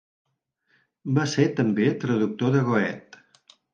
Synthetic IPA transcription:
baseɾt̪əmbet̪ɾəðuk̚t̪oðəɣoɛt̪

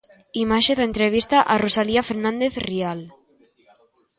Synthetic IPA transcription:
imaʃeðaent̪ɾeβ̞ist̪aʔarosaliafeɾnãnd̪eθrial

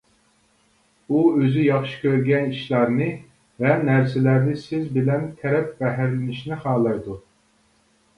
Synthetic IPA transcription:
uøzyjɑχʃi̥kʲʰøɾɡʲɛniʃlˠɑɾnɨ | vɛnæɾsɪlæɾnɪsɪzbɪlɛnt̪ʰɛɾɛp̚bɛɦæɾlɪnɪʃnɪχɑːlˠɑjd̪u

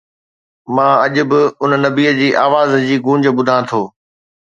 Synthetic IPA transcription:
mãːɐʄʊ̆bɪʊnnɐbiːəd͡ʑiːʔaːʋaːzd͡ʑiːɡũːɲd͡ʑə̆bʊd̪ʱãːt̪ʰoː

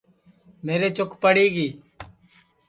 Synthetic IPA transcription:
meːɾeːt͡ʃʊkpəɽiːɡiː

